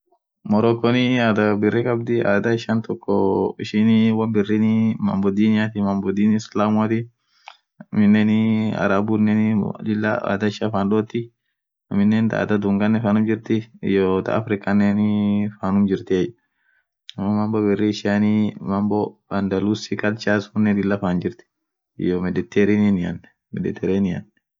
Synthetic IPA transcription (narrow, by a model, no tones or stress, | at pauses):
mɔɾɔkːɔniaːd̪ɐbɪrːɛkɐb̚d̪ɪa̰ːd̪aɪʃant̪ɔkːɔɪʃɪnɪwɐmbɪrːinɪmɐ̰mbɔd̪inɪjat̪ɪmɐmbɔd̪iːnslaːmʊat̪i | mɪnːɛna̰ɾabunːɛnd͡ʒɪlːa̰a̰ːd̪aɪʃafanɗoːt̪ːɪ | ɐmɪnːɛnt̪a̰ːt̪ɐd̪ʊŋɡɐnːɛfaːnʊmd͡ʒɪɾt̪ɪɪ̰jot̪a̰ːfɾɪkʼɐnːeːnifaːnʊmd͡ʒɪɾt̪iɛj | ɐmːɐmɐmbɔbɛrːiʃanimɐmbɔbɐnd̪ɐluːsikʼɐlt͡ʃaːsʊnːɛd̪ɪlːafaːnd͡ʒɪɾt̪ɪ̥ | ɪ̰jomɛd̪ɛt̪ːɛɾininɪɐ̰nːɛ | mɛd̪ɛt̪ːɛɾeːnɪɐ̰nːɛ